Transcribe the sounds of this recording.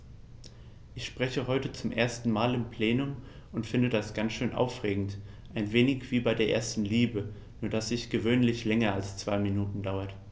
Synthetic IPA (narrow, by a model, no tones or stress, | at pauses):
ʔɪçʃpʁ̥ɛçəɦɔʏtət͡sʊmʔḛːɐstn̩maːlɪmpʰl̥eːnʊm | ʔʊntfɪndədasɡ̥ant͡sʃøːnʔa̰ʊfʁeːɡŋ̩t | ʔaɪnveːnɪçv̥iːbaɪdeːɐʔḛːɐstn̩liːbə | nuːɐdasz̥ɪçɡ̥əvøːnlɪçlɛŋɐalst͡sv̥aɪminuːtn̩daʊɐt